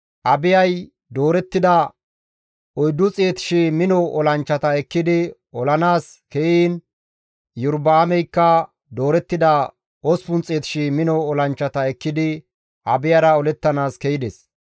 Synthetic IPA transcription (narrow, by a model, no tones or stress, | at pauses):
ʔɐbɪjɐj | d̪oːɾɛt̪ːɪd̪ɐ | ɔjd̪ːʊt͡sʼe̞ːt̪ɪ̥ʃimɪnɔɔlɐnt͡ʃːɐt̪ɐɛkːɪd̪ɪ | ɔlɐnaːs | kɛjiːn | jʊɾbaːmɛjkːɐ | d̪o̞ːɾɛt̪ːɪd̪ɐ | ɔspʊnt͡sʼe̞ːt̪ɪ̥ʃimɪnɔːlɐnt͡ʃːɐt̪ɐɛkːɪd̪ɪ | ʔɐbɪjɐɾɐɔlɛt̪ːɐnaːskɛjɪd̪es